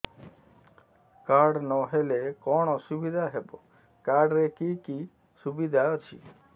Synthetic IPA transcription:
kaɾɖnɔɦelekɔɽ̃ɔsubid̪ʱaɦebɔ | kaɖɾekiki | subid̪ʱaɔt͡ʃʰḭ

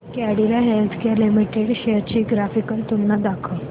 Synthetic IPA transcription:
kæɽilaɦelt̪ʰkeɾlimiʈeɽɕeɾt͡ɕiːɡɾafikəlt̪unːad̪akʰə

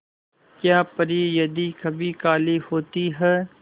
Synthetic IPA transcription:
kjaːpəɾiːjəd̪iːkʰəbiːkaːliːhoːt̪iːɦɛː

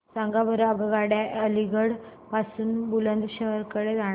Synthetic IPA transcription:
sãŋɡabəɾaɡəɡaɽjaʔəliɡəɽ | pasuːnbulənd̪ɕəɦəɾkəɽed͡zaɽ

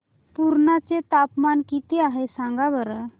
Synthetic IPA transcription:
puɾɳat͡set̪apmankit̪eaɦesãŋɡabəɾə

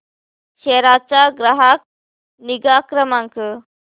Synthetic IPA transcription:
ʃeɾat͡ʃaɡɾaɦak̚ | niɡaːkɾəmaŋkə

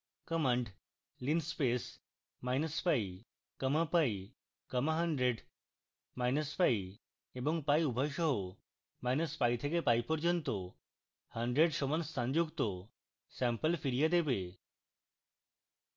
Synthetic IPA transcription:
kəməɳʈ | linspes | majnəsfai | kəməpaji | kəmaɦəɳɖɾeɖ | majnəsfai | ebəŋɡ̚pajubʱəjɕəɦo | majnəspajt̪ʰekepajpɔɾd͡ʑənt̪o | həɳɖɾeɖɕɔʋənsːãɲd͡ʑuɡt̪o | sɛ̃mpəlfiɾijad̪epe

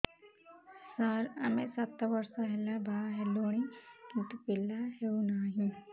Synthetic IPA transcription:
səɾɐmẽsɐt̪aʋəɾsãɦɛlːabʱaːɦɛloːɽ̃ikɪnt̪upɪlaɦeunaːɦĩ

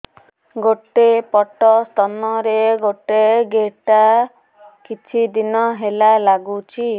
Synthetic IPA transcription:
ɡoʈepɔʈɔst̪ʰɔnɔɾeɡoʈeɡeʈa | kit͡ʃʰid̪inɔɦelalaɡut͡ʃʰi

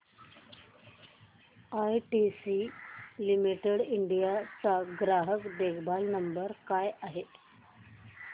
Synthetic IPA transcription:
ajʈisilimiʈeɽiɳɖijat͡saɡɾaɦəkd̪ekʰbʱalnəmbəɾkajaɦe

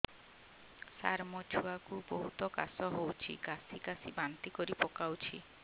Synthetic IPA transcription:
sa̰ɾmɔt͡ʃʰuakuboɦut̪ɔkasɔɦowt͡ʃʰḭɡasiɡasibant̪ikɔɾipɔkawt͡ʃʰi

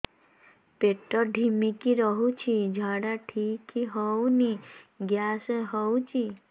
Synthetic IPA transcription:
peʈɔɖʱimikiɾɔɦut͡ʃʰid͡ʒʱaɽaʈʰikiɦɔwniɡjasɦɔwt͡ʃʰi

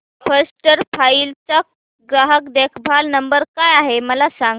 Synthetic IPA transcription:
fəɾsʈəɾfailt͡ɕa | ɡɾaɦəkd̪ekʰbʱalnəmbəɾkajaɦeməlasaŋ

